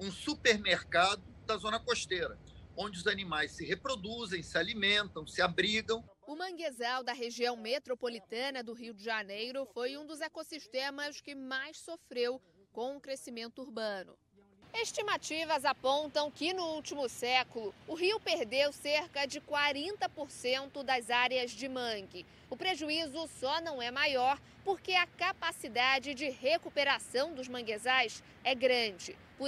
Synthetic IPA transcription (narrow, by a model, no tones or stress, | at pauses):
ũsupeɾmeɾkad̪ʊd̪ɐzõnɐkoʃt̪eɾɐ | õnd͡ʒɪʊzanimajssɪhepɾod̪uzẽj̃sɪalimẽnt̪ɐ̃w̃sɪabɾiɡɐ̃w̃ | ʊmɐ̃ɡezawd̪ɐɦeʒiɐ̃w̃met̪ɾopolit̪ɐ̃nɐd̪ʊɦiwd͡ʒɪʒanejɾʊfojũd̪ʊzekosiʃt̪ẽmɐskɪmajssofɾew | kõw̃ʊkɾesimẽnt̪ʊuɾbɐ̃nʊ̰ | eʃt͡ʃimat͡ʃivɐzapõnt̪ɐ̃w̃kɪnʊuwt͡ʃimʊsɛkʊlʊʊɦiwpeɾd̪ewseɾkɐd͡ʒɪkwaɾẽnt̪ɐpoɾsẽnt̪ʊd̪ɐzaɾjɐzd͡ʒɪmɐ̃ŋɡɪ | ʊpɾeʒuizʊsɔnɐ̃w̃ɛmajɔɾ | poɾkeɐkapasid̪ad͡ʒɪd͡ʒɪɦekupeɾasɐ̃w̃d̪ʊzmɐ̃ɡezajs | ɛɡɾɐ̃d͡ʒɪ | p